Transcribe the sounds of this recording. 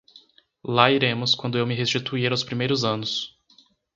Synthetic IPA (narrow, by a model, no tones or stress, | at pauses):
laiɾẽmʊskwɐ̃nd̪ʊewmɪɦest͡ʃit̪uiɾawspɾimejɾʊzɐ̃nʊs